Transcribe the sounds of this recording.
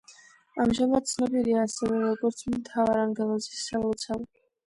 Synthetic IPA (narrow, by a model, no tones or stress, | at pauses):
amʒamad̪̚sʰnɔbiɾiaːsɛvɛɾɔɡɔɾt̪sʰmɛnt̪ʰavaɾaŋɡɛlˠazisɛlut̪sʰavɛ